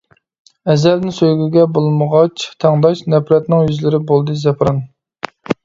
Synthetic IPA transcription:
ɛzɛɾnɪnsøjɡʲyɡʲɛbolˠməʁɑt͡ʃʰt̪ʰæŋd̪ɑʃnɛpɾɛt̪nɪŋjyzlɪɾɪbolˠd̪ɨzɛpɾɑn

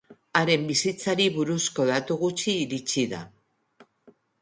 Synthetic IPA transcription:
aɾe̞mbisit͡saɾiβuɾusko̞ðat̪uɣut͡ʃiːɾit͡siða̰

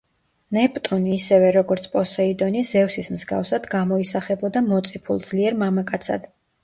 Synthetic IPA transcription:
nɛpʼt̪ʼuniːsɛvɛɾɔɡɔɾt̪sʰpʼɔsɛid̪ɔniz̥ɛfsismzɡa̰fsad̪ɡamɔisaχɛbɔd̪amɔt̪sʼipʰṵlˠd̪z̥liɛɾmamakʼat̪sʰa̰d̪̥

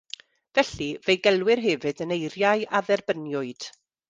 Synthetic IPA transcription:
vɛɬivejɡɛlˠwɪrɦɛvɨdənejrjaɨaðɛrbənjʊɨd̥

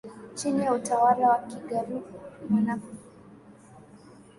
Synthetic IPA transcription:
t͡ʃiniautawalawakiɡaɾivumanaku

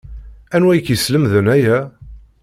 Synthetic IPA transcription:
ænwæjkjəsləmðənæjæ

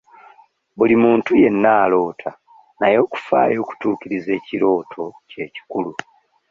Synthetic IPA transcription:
βulimuːntuje̞nːaːlo̞ːtʰa | najo̞ːku̥fa̰ːjo̞ːku̥tuːkiɾize̞ːciɾo̞ːtʰo̞ce̞ːci̥kulu

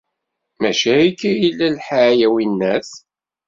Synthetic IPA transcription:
mæʃæikːæjilːælħajæwinːæs

